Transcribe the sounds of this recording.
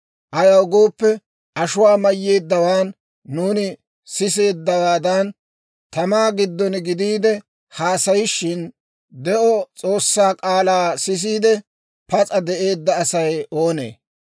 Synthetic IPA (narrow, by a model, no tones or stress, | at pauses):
ʔɐjɐwɡo̞ːpːɛ | ʔɐʃʊwaːmɐjːe̞ːd̪ːɐwaːnː | uːnɪ | sɪs̬e̞ːd̪ːɐwaːd̪ɐn | t̪ɐmaːɡɪd̪ːɔnɡɪd̪iːd̪ɛ | haːsɐjɪʃːɪn | d̪ɛʔɔt͡sʼo̞ːsːaːkʼaːlaːsɪs̬iːd̪ɛ | pɐt͡sʼɐd̪ɛʔe̞ːd̪ːɐːsɐjo̞ːne̞̰ː